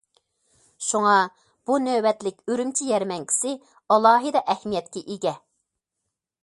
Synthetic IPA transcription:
ʃuŋɑ | b̥unøbɛt̪lɪkʲøɾymt͡ʃʰijɛɾmɛŋkʲʰi̥sɪ | ɑlˠɑːɦɨd̪ɑʔɛhmijɛt̪kʲɛʔiɡʲɛ

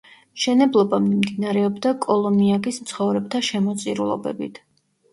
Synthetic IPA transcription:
mʃɛnɛblˠɔbamimd̪inaɾɛɔbd̪akʼɔlˠɔmiaɡismt̪sʰχɔvɾɛb̚t̪ʰaʃɛmɔt̪sʼiɾulˠɔ̰bɛ̰bḭt̪ʰ

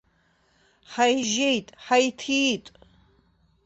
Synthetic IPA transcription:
ħajʒejtʼħajtʰitʼ

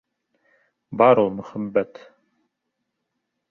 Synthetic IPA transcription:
bɑɾolˠmɵχæbːæt̪

